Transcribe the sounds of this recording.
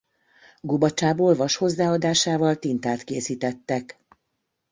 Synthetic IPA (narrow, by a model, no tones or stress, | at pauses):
ɡobɒt͡ʃaːboːlvɒʃho̞zːaːɒd̪aːʃaːvɒlt̪int̪aːt̪keːsiːt̪ɛt̪ːɛk